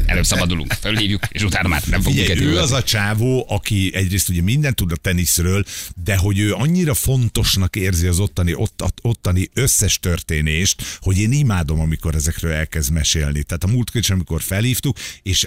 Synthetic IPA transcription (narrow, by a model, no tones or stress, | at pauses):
ɛ̰løːbsɒbbɒd̪ulṵŋkfølhiːvjukḛʃut̪aːnma̰ːrnɛmfoɡɟɛujɛøːɒzɒt͡ʃaːvoːʔɒkiɛɟreːst̪uɟɛmind̪ɛnt̪ːud̪ɒt̪ɛnisrøːld̪ɛɦo̞ɟøːɒɲːiɾɒfo̞nt̪o̞ʃnɒkeːrziɒzo̞t̪ːɒniʔot̪ːo̞t̪ːɒniøsːɛʃt̪ø̞rt̪eːneːʃt̪ho̞ɟeːnimaːd̪o̞mɒmiko̞ɾɛzɛkrøːlɛlkɛzd̪mɛʃḛːlnit̪ɛaːt̪ɒmuːlt̪køiʃɒmiko̞rfɛlhiːft̪ukeːʃ